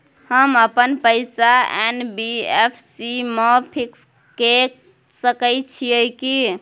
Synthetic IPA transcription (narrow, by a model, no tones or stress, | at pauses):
həməpənpəɪsaenbiepʰsimepʰiks | ke | səkəjt͡ʃʰijəki